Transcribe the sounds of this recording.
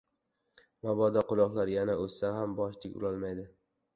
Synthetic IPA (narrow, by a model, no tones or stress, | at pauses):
mɒbɒd̪aqʊlˠɒqlˠaɾjanaɵsːaɦambɒʃd̪ɪkʲʊ̰lɒlˠmajd̪ɪ